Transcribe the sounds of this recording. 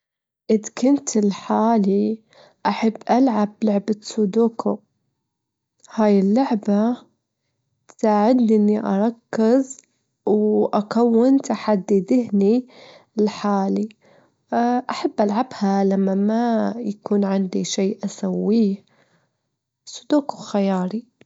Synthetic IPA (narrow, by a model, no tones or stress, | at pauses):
ʔɪðkʊnt̪ɪlħaːli | ʔaħabːʔalʕablʊʕbasud̪uːkʰʊ | haːjɪlːʊʕba | t̪saːʕɪd̪nʔɪnːiʔɑ̰ɾˤɑkːɪz | wʔakawːɪnt̪aħad̪ːid̪ɪhni | ɪlħaːli | ʔaħabːʔalʕabhalamːamajakuːnʕɪnd̪iʃeːʔasawːiː | su̥d̪uːkʊxajɑːɾˤi